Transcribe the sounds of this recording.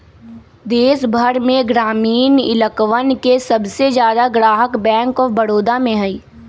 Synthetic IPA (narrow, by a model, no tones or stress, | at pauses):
d̪eːsbʱəɾmẽɡɾaːmiːnɪ̰ləkʋənkesɐbsezjaːd̪aɡɾaːɦəkbɛ̃ːŋkɔːbɐɽoːd̪amẽɦɐiː